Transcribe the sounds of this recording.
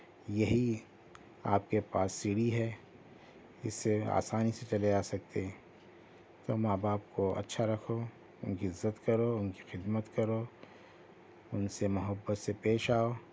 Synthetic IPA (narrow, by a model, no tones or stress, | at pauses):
jɐɦi | a̰ːp̚kepaːsːiɽiɦɛ | ɪ̰sːea̰ːsaːniset͡ʃɐleaːsɐk̚t̪eɦɛ̃ | t̪oːmaːbaːp̚koɐ̰tːʃʰaɾɐkʰoː | ʊnkiɪzːət̪kɐɾoʊnki̥xɪd̪mət̪kɐɾoː | ʊnsemʊɦəbːət̪sepeːʃaːoː